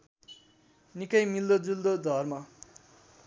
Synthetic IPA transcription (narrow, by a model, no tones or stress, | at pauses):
nikʌjmild̪od͡zuld̪od̪ʱʌrma